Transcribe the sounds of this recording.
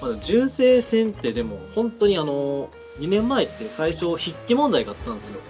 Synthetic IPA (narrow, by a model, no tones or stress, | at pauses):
mad̪emoʑɨːse̞ːsẽ̞nt̪e̞d̪e̞mo̞hõ̞nt̪o̞ɲ̟iano̞ | ɲ̟inẽ̞mːaet̪ːe̞saiɕo̞çikʲːimõ̞nd̪aiɡaːt̪ːãnd̪esɨjo̞